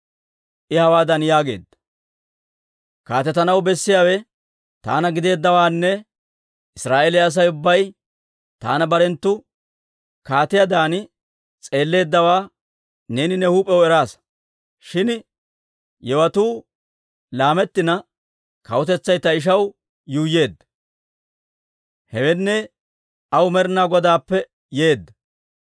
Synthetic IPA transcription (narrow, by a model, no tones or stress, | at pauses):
ʔɪhɐwaːd̪ɐnjaːɡe̞̰ːd̪ːɐ̥ | kaːt̪ɛt̪ɐnɐwbɛsːɪjaːwɛ | t̪a̰ːnɐɡɪd̪e̞ːd̪ːɐwaːnːɛ | ʔɪsɾaːʔelɪːs̬ɐjʊbːɐj | t̪a̰ːnɐbɐɾɛnt̪ːʊ | kaːt̪ɪjad̪aːn | t͡sʼe̞ːlːe̞ːd̪ːɐwaː | ne̞ːnɪnɛhuːpʼɛwɛɾaːs | ʃɪn | jɛwɐt̪uː | laːmɛt̪ːɪnɐ | kɐwʊt̪ɛt͡sːɐjt̪ːɐɪʃ̬ɐw | juːje̞ːd̪ːɐ | hɛwɛnːɛ | ɐwmɛɾnaːɡɔd̪aːpːɛ | jeːd̪ːɐ